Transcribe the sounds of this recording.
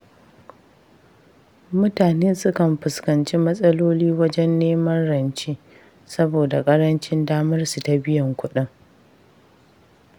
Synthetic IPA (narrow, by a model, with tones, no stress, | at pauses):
mʊ˦taː˨neː˦sʊ˦kɐ˨mɸɪ˨skɐ˨nt͡ʃi˦mɐ˦sʼɐ˦loː˦liː˦wɐ˦d͡ʒɛ˦nːeː˦mɐ˦nɽɐ˨nt͡ʃe˦ | sɐ˦boː˨da˨kʼɐ˦ɾɐ˦nt͡ʃɪ˦ndaː˦mɐ˦rsu˨ta˨bɪ˦jɐ˨ŋkʷʊ˦ɗɪ˦ŋ